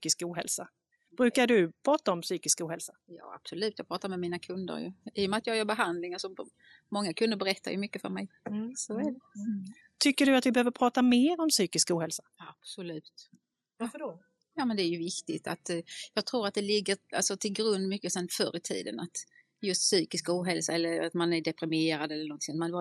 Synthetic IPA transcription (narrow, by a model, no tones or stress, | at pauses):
yːkɪskuːɦɛ̰lsa | b̥ɾʉ̟ːkaɖɵpʰɾɑːt̪aɔmsyːkɪskuːhɛlsajɑ̰ːa̰b̥sɔlʉ̟ːt̪jɑːɡpʰɾɑːt̪aɾmɛmiːnakʰɵnd̪ə̰ɾjə̰iːɔmɛat̪jɑːɡjœːɾbɛɦand̪lɪŋasɔmː | ɔŋːakʰɵnd̪əɾbɛɾɛt̪ʰːa̰ɾjɵmʏkːəfœ̰ɾmɛ̰jsɔæɖɛ | t̪ʰʏkːəɖɵat̪vɪbɛhøːvəɾpʰɾɑːt̪ameːɾɔmsyːkɪskuːhɛlsḁab̥sɔlʉ̟ːt̪ | vfɖ | jɑːmɛnd̪ɛæɾjɵvɪkt̪ɪt̪a̰t̪jɑːɡ̚t̪ʰɾuːɾat̪̚d̪ɛlɪɡːəɾa̰lsɔt̪ʰɪlɡɾɵnd̪mʏkːəsɛnfœ̰ɾɪt̪ʰḭːd̪ə̰nat̪ | jɵst̪syːkɪskuːɦɛlsaɛlːəɾat̪manæɖɛpɾɪmeːɾad̪ɛlːəɾnɔnt̪ɪŋt̪mand̪